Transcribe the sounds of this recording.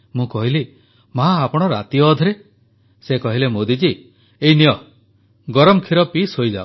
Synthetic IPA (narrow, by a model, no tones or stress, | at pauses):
mũkɔɦili | mɦaapɔɽ̃ɔɾat̪iɔːd̪ʱɔɾe | sekɔɦilemod̪id͡ʒi | einijɔ | ɡɔɾɔmɔkʰiɾɔpisɦojd͡ʒa̰o